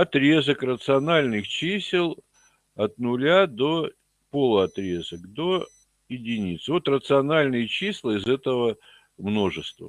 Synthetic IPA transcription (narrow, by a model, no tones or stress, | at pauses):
ɐt̪ɾʲe̞zəkrət̪sɨɐnalʲnɨxt͡ɕisʲɪlˠ | ɐt̪nʊlʲad̪o̞ | polˠʊɐt̪ɾʲe̞zəkd̪o̞ | jɪdʲɪnʲit̪svo̞t̪rət̪sɨɐnalʲnɨjət͡ɕislˠəɪzɛt̪əvə | mno̞ʐɨst̪və̰